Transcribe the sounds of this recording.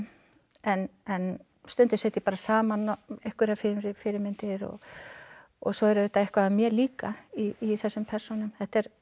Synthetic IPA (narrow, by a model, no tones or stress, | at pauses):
ɛnɛn | st̪ʏnt̪ʏ̥sɛːt̪ipaːɾasaːmanɛhkʏɾafɪɾɾɪfɪɾɪmɪnt̪ɪɾɔ̰ɣ | ɔ̰ɣsɔɛɾʏðɪt̪aɛhkvamjɛɾliːkaiiθɛsːʏmpʰɛr̥sɔnʏmθɛht̪ɛɾ̥